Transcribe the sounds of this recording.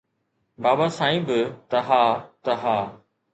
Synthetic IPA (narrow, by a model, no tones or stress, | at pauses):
baːbasãːĩːbɪt̪ɐɦaːt̪ɐɦaː